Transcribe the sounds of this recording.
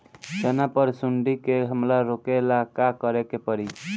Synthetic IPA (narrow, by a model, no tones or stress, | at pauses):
d͡ʒənapəɾsuɳɖikeɦəmɾaɾokelakakəɾekepəɾi